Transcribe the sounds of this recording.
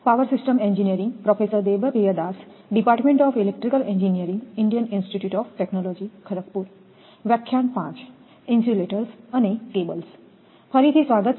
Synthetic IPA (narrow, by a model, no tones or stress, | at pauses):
paʋəɾsisʈəmend͡ʒinijəɾĩŋɡpɾɔpʰesəɾd̪ebəpejəd̪asɖipaːɾʈmẽɳʈɔːpʰilek̚ʈɾikəlend͡ʒinijəɾĩŋɡiɳɖijəninsʈiʈjuːʈɔpʰʈeknɔlod͡ʒikʰəɾək̚puɾ | ʋɛkʰːjanpã̰t͡ʃ | insuleʈəɾsɐnekebəls | pʰəɾit̪ʰisʋaɡət̪